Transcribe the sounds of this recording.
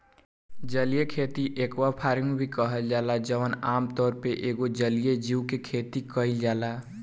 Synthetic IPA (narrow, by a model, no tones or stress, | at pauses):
d͡ʒəlijekʰeːt̪iʔekwapʰaːɾɪŋɡbʱikəɦəld͡ʒaːlad͡ʒəʋənaːmt̪ɔːɾpeʔeːɡod͡ʒəlijed͡ʒiwkekʰeːt̪ikəɪld͡ʒaːla